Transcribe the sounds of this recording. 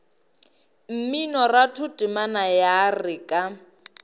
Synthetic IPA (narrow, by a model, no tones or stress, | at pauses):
m̩minɔratʰʊtʼɪmanajarɪkʼa